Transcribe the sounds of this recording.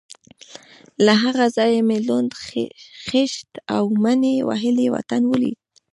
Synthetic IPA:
laɦaɣazɑjemelund̪xɪʃt̪awmanewa̰ɦɪlewa̰t̪anwəlḭd̪̚

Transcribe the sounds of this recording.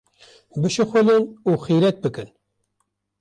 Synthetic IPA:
bɨʃɨxʷʊlɨnuːxiɾɛt̪̚bɨkɨn

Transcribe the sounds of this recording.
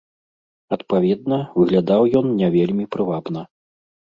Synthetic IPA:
ɐt̪pavʲɛd̪nɐvɨɣlʲad̪awjɔnnʲɛvʲelʲmʲipɾɨvabn̪ɐ

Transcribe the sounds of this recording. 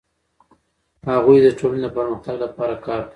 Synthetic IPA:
haɣujd̪əʈʰolaned̪opəɾməxt̪aɡlapɑɾakɑɾka

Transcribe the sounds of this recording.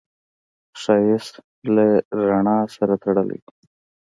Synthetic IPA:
ʂajɪs | leɾaɳɑsaɾat̪aɽəlḛ

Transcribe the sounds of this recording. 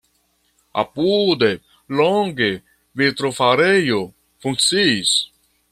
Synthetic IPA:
a̰pud̪e | lɔŋɡe | vit̪ɾofaɾejo | fuŋsis

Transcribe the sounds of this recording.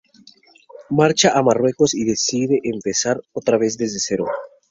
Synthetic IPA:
maɾt͡ʃaʔamarwe̞ko̞siðe̞siðe̞ʔːmpe̞saɾot̪ɾaβe̞zðe̞zðe̞se̞ɾo̰

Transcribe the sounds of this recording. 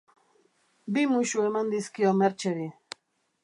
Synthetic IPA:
bimʊʃuemand̪iskijomeɾt͡ʃeɾi

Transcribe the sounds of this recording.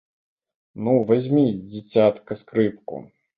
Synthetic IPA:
nuvazʲmʲid͡zʲɪt͡sʲat̪kɐskɾɨp̚kṵ

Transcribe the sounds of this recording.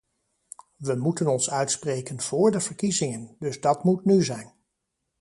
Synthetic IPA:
ʋəmutənɔnsœɥtsprejkənv̥ʊːɹdəvəɹkizɪŋəndɵzdɑtmutnyzɛjn

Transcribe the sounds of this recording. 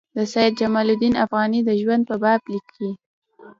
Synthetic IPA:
d̪əsajd̪̚d͡ʒamɑlʊd̪inafɣɑnid̪əʒwand̪̚pəbɑblikːi

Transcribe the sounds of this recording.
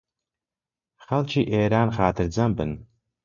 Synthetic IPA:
χɐlt͡ʃʰiʔeːɾaːnχaːtʰɨrd͡zambɨ̰n

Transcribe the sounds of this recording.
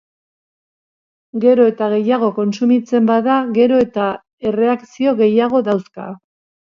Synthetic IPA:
ɡe̞ɾo̞e̞t̪aɣe̞jaɣ̞o̞ko̞nsumit͡se̞mbaðaɣe̞ɾo̞e̞t̪a | e̞re̞akt͡sio̞ɣe̞jaɣ̞o̞ðawska̰

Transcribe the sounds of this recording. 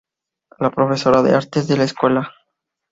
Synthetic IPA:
lapɾo̞fe̞so̞ɾaðeaɾt̪ezðe̞laeskwe̞la

